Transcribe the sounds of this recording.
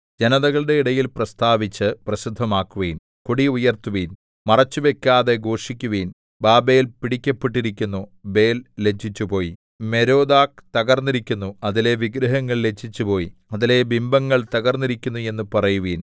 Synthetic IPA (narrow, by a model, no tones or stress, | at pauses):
d͡ʑenɐðɐɣɐɭɨɽe̞iɽɐjilprɐst̪aːʋit͡ɕːɨprɐɕid̪ʱːɐmaːkːuʋiːn | kuɽiujɐrt̪uʋiːn | mɐrɐt͡ɕːuʋe̞kʲːaːðe̞ɡo̞ːʂikʲːuʋiːn | baːbejilpiɽikʲːɐpːeʈːiɾikʲːunːube̞ːlle̞t͡ɕʰːit͡ɕːupo̞ːji | me̞ɾo̞ːd̪aːk̚t̪ɐɣɐrnːiɾikʲːunːuɐðile̞ʋiɡɾɐɦɐŋːɐɭle̞t͡ɕʰːit͡ɕːupo̞ːjiɐðile̞bimbɐŋːɐɭt̪ɐɣɐrnːiɾikʲːunːue̞nːupɐrɐjuʋiːn